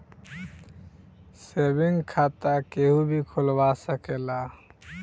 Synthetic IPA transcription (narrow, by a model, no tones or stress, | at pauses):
sebiŋɡkʰat̪akeɦũbʱikʰolbasəkela